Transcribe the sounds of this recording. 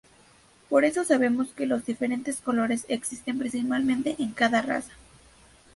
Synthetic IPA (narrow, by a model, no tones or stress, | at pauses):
po̞ɾe̞so̞saβ̞e̞mo̞ske̞lo̞zðife̞ɾe̞nt̪e̞sko̞lo̞ɾe̞seksist̪e̞mpɾĩns̬ipalmẽnt̪e̞ʔeŋkaðara̰sḁ